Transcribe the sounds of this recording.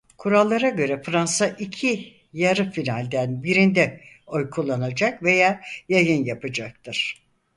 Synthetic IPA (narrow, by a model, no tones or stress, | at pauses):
kʰuɾalˠːaɾaɟø̞ɾɛfɾansaʔicʰi | jaɾɯfinalʲd̪ænbiɾind̪ɛ | o̞jkʰulˠːanad͡ʒakve̞jaːjajɯnjapɯd͡ʒak̚t̪ʰɯɾ̥